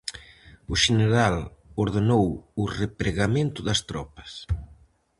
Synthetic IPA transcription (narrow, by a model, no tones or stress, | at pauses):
ʊʃeneɾaloɾðenowʊrepɾeɣamẽnt̪ʊðɐst̪ɾɔpɐ̥s